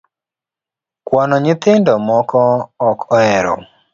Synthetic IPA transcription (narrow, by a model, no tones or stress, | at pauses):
kwanɔɲɪt̪ɪndɔmɔkɔːkʰɔɛɾɔ̰